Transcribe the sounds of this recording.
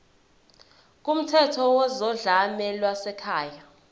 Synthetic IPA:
k̬ʼum̩tʰɛtʰɔwɔzɔɮamɛlwasɛkʰaːja

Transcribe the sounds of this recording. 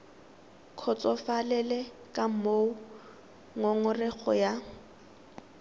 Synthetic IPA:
kʰɔt͡sʼɔfalɛlɛ | kʼam̩moʊ | ŋoŋʊrɪɣʰɔ̰ja

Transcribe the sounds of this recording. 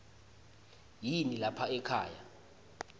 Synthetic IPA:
jinilapʰaɛkʰaːja

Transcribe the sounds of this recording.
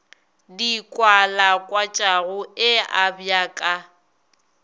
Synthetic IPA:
dikʼwalakʼwat͡ʃʼaɣʊɪabjakʼa

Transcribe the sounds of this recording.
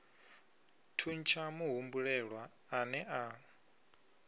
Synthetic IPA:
tʰunt͡ʃʰamuɦumbuɺɛɺwaː | nɛʔa

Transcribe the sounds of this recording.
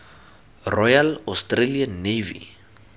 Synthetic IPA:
rɔjalɔstreliənevḭ

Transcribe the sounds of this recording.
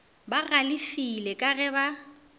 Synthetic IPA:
baɣalɪfilɛkʼaɣɛba

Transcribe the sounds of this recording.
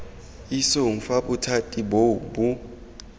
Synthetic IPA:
isoŋ̩faɓutʰatʼibobu

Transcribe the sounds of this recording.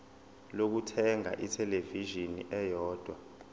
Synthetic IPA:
lok̬utʰɛŋa̰ʔitʰɛleviʒinḭʔɛjɔːd̥ʱwa

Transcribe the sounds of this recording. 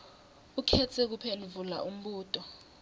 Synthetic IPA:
ukʰɛt͡sʰɛk̬upʰenvula̰ʔum̩ɓuːtʼɔ

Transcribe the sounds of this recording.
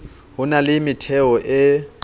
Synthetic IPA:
ɦʊnalɪmɪtʰɛɔʔɪ

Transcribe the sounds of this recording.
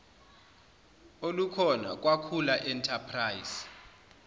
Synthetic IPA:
olukʰɔna̰k̬ʼwakʰulaʔɛntʰapʰrajz̥

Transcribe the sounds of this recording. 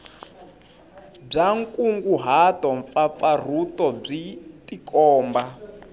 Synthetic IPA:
b͡ʐaŋkʼuŋɡuɦatɔɱfafar̤utʼɔb͡ʐitʼikʼɔːmba

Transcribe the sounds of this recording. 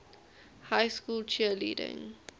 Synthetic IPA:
hajskuːlt͡ʃʰiəlḭːdɪ̰̃ŋ

